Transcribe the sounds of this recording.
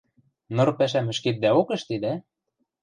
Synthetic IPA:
noɤ̆rpæʃ̬æmɘ̆ʃket̪̚d̪æokĕʃt̪id̪æ

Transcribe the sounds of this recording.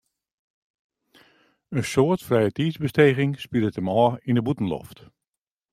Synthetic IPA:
ənsoətfrɛjətiːzbəsteːɣɪŋspidətəmɔːindəbutn̩lɔ̰ft

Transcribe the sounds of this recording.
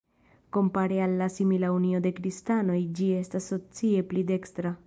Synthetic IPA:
ko̞mpaɾealːasimilaunio̞d̪e̞kɾistano̞jd͡ʒie̞stasːo̞t͡sie̞plide̞kst̪ɾa

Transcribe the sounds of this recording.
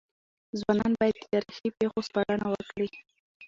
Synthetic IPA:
zwɑnɑnbɑjad̪ːət̪aɾixipexospɑlanawəkɽi

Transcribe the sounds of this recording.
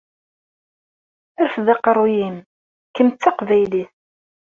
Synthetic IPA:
æɾfðɑqɾˤːujim | kəmt̪ːɑqvæjliθ

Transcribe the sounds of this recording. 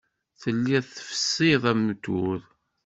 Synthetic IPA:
θəlːiðθə̥fə̥sːiðˤæmːət̪ːuð

